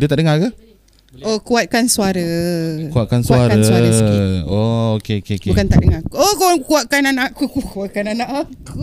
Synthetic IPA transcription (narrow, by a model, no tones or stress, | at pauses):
diət̪aʔdəŋakə | okuat̪̚kansuaɾəkuat̪̚kansuaaɾkənswaɾəsiookeokeokebukant̪aʔdəŋakuokowaŋkuaʔ̚kananãʔakukukuat̪̚kananãʔaku